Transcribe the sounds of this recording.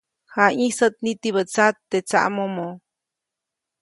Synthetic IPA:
haĩsət̪̚nit̪iβət͡sat̪ːet͡sa̰ʔmomo

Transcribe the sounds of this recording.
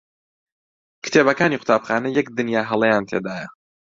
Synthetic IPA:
kɨ̥t̪ʰebɐkaːniqʰʊ̥t̪ʰaːbxaːnɐjɛk̚d̪ɨnjaːɦɐlˠɐjaːnt̪ʰeːd̪aːjɐ

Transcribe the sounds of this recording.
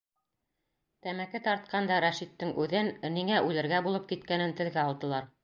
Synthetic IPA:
t̪æmækɘt̪ɑɾt̪̚qɑnd̪ɑɾæʃit̪ːɘŋʉðɘnniŋæʔʉlɘ̆ɾɡæbulˠɤp̚kit̪̚kænɘnt̪ɘ̆lɡæɑlˠd̪ɤ̆lˠɑɾ

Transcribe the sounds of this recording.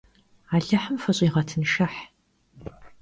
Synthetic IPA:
aːɮɐħəmfɐɕʼiːʁɐtʰɨnʃɐħ

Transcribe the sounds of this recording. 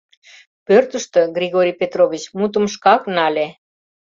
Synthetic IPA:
pørt̪əʃt̪øɡrʲiɣoɾʲijpet̪rovʲit͡ɕmut̪ə̆mʃkɑknɑlʲe

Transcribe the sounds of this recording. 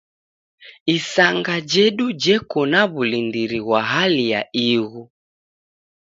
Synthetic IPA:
isaŋɡad͡ʒɛɗud͡ʒɛkɔnaβulindiɾiɣwaɦalija̰iɣu

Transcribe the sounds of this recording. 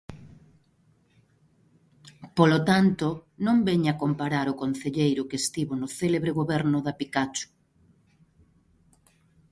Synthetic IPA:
polot̪ant̪onõmbɛɲakompaɾaɾʊkon̟θeʎejɾʊkest̪iβonʊθeleβɾeɣoβɛɾnʊðapikat͡ʃʊ̥

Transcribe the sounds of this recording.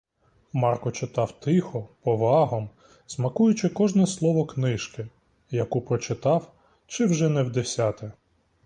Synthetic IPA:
mɑrkɔt͡ʃɪt̪ɑwt̪ɪxɔpɔʋɑɦɔm | z̥mɐkujʊt͡ʃɪkɔʒnɛslˠɔʋɔknɪʃkɪ | jɐkupɾɔt͡ʃɪt̪ɑw | t͡ʃɪwʒɛnɛwd̪esʲɑt̪ɛ

